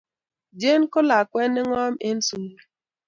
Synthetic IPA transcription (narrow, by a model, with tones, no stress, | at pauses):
d͡ʒe˦n˦kʊ˦la˨kwɛ˦nɪ˦ŋɔ˦me˦n̩˦su˦